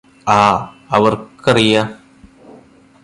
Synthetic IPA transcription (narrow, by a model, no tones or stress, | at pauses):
aː | ɐʋɐrkɐrija